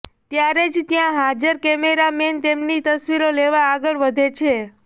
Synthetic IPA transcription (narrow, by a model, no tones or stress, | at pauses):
t̪jaɾed͡ʒt̪jãɦad͡ʒəɾkɛmeɾament̪emnit̪əsʋiɾoleʋaːɡəɭʋəd̪ʱet͡ʃʰe